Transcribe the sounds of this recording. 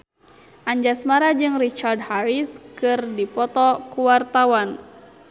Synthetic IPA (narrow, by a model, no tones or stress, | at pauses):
ʔaɲd͡ʒasmaɾad͡ʒɨŋrit͡ʃard̚haɾiskɨrdipɔt̪ɔkuwart̪awan